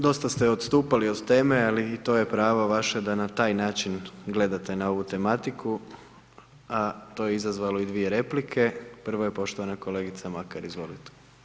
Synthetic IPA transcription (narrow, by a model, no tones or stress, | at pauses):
d̪o̞st̪ast̪eo̞d̪st̪uːpalio̞d̪t̪e̞ːmealiːt̪o̞ːje̞pɾaːʋaʋaʃed̪anat̪aːjnaːt͡ʃinɡle̞d̪at̪e̞nao̞ʋut̪e̞mat̪ikʰu | at̪o̞ːjeizazʋalo̞id̪ʋije̞ɾe̞plikʰe̞pr̩ʋoje̞po̞ʃt̪o̞ʋanako̞le̞ɡit̪samakaɾizʋo̞lit̪e̥